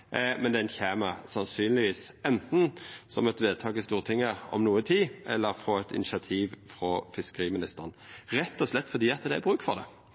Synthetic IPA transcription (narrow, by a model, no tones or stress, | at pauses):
mɛnd̪ɛnçæːməsɑnsyːnlɪʋiːsɛnt̪n̩sɔmɛt̪ʋeːd̪̚t̪ʰɑːɡɪst̪uːʁt̪ʰɪŋːəɾɔ̰mnuːət̪ʰiːʔɛ̰lːəʁfʁɔɛt̪ʰɪ̰nɪʂɑt̪ʰiːʋfʁɔfɪskəʁiːmɪnɪst̪əʁnɾɛt̪ːɔslɛt̪ːfɔʁd̪iːɑt̪ːəd̪ɛæbʁʉːkfɔʁd̪ɛ̰